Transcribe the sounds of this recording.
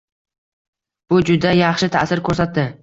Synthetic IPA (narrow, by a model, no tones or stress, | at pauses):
b̥ʊd͡ʒʊd̪ajɑχʃɪt̪ʰa̰sɪɾkʰɵɾsat̪ːɪ